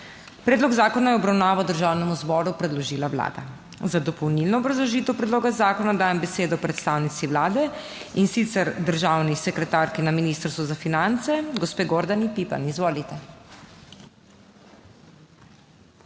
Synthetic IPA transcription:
pɾɛːd̪lɔɡzaːkɔnajɛɔbɾawnaːʋaɔd̪əɾʒawnɛmuzbɔːɾupɾɛd̪lɔʒiːlawla̰ːd̪a̰ | zad̪ɔpɔwnilnɔːbɾazlɔʒiːt̪ɛwpɾɛd̪loːɡazaːkɔnad̪aːjɛmbɛseːd̪ɔpɾɛt̪st̪aːwnit̪siʋlaːd̪ɛ | insit̪sɛɾd̪əɾʒawnisɛkɾɛt̪aɾkinaminist̪əɾst̪ʋɔzafinant̪sɛɡɔspeːɡoɾd̪anipipa̰nizʋoːlit̪ɛ

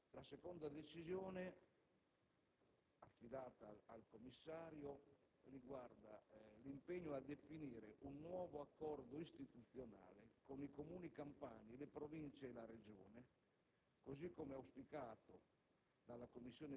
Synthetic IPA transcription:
lasekond̪ad̪et͡ʃizjoːne | afːid̪aːt̪aːlkomːisːaːɾjo | riɡward̪alimpeɲːoad̪efiniːɾeʔunːwɔːvoakːɔrd̪oist̪it̪ut̪θːjona̰ːlekonikomuːnikampaːnilepɾovint͡ʃeːlaɾed͡ʒo̰ːne | kozikːomeawspikaːt̪o | d̪alːakomːisːjoːne

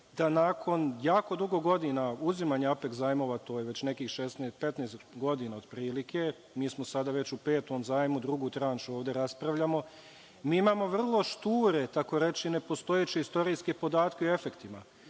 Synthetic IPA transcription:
d̪anaːkʰo̞njaːko̞d̪uɡo̞ɡo̞d̪inauzimaːɲaape̞kzaːjmo̞ːʋat̪ojeʋe̞t͡ɕne̞kiːxʃesneːst̪pe̞t̪neːst̪ɡo̞d̪inao̞d̪pɾiːlikʰe̞ | miːsmo̞sad̪aːʋe̞t͡ɕupe̞ːt̪omzaːjmud̪ɾuɡuːt̪ɾanʃuoːʋd̪e̞ɾaspɾaʋʎamo̞ | miːimaːmo̞ʋr̩lˠo̞ʃt̪uːɾe̞t̪ako̞ɾe̞t͡ʃiine̞po̞st̪o̞jet͡ɕeist̪o̞ɾiːske̞po̞d̪aːt̪keoe̞fe̞kt̪ima

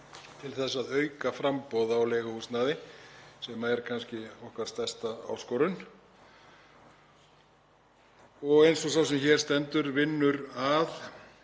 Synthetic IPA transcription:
t̪ʰɪlθɛsːaðœːɥkafɾampɔːðaawleːɣahust̪naːðɪsɛmaɛɾkʰanscɪɔhkvaɾ̥st̪ɛst̪aa̰w̪skɔːɾʏn | ɔɣejnsɔsaːwsɛmçɛːɾ̥st̪ɛnt̪ʏɾvɪnːʏɾað

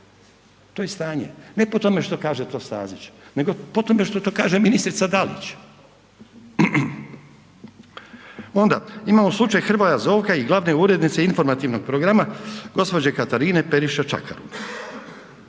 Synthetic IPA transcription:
t̪ojest̪aːɲe̞̰ne̞po̞t̪o̞me̞ʃt̪o̞kaːʒet̪o̞ːst̪a̰ːzit͡ʃne̞ɡo̞po̞t̪o̞me̞ʃt̪ot̪o̞kaːʒeminist̪ɾit̪sad̪alḭt͡ɕ | o̞nd̪aimaːmoslˠut͡ʃajxr̩ʋojazo̞ːʋkaiɡlˠaʋne̞uɾe̞d̪nit̪se̞info̞ɾmat̪iʋno̞ɡ̚pɾoɡɾamaɡo̞spo̞d͡ʑekat̪aɾine̞pe̞ɾiʃat͡ʃa̰ka̰ɾṵn

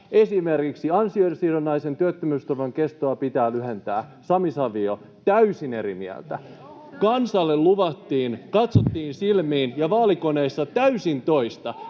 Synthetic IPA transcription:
esimerkiksiɑnsioiesiːɾonːɑisent̪yøt̪ːømyːst̪uʋɑŋkest̪oːpit̪æːlyɦent̪æːsɑmisɑʋio | t̪æysineɾimḭæ̰lt̪æ | kɑnsɑlːelluʋɑt̪ːiːnkɑt̪sot̪ːiːnsilmiːnjɑʋɑːlikoneisːɑt̪æysint̪o̞ist̪ɑ

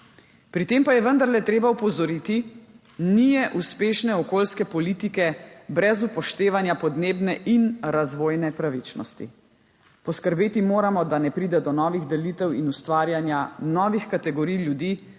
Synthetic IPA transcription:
pɾit̪eːmpajɛʋənd̪aɾlɛt̪ɾeːbaupɔzɔɾit̪i | nijɛʔuspeːʃnɛɔkoːlskɛpɔliːt̪ikɛbɾɛzupɔʃt̪eːʋanjapɔd̪neːbnɛʔinɾazʋoːjnɛpɾaʋit͡ʃnɔ̰st̪ḭ | pɔskəɾbeːt̪imoːɾamɔd̪anɛpɾiːd̪ɛd̪ɔnɔːʋiɣd̪ɛliːt̪ɛwinust̪ʋaːɾjanjanɔːʋixkat̪ɛɡɔɾijljud̪iː

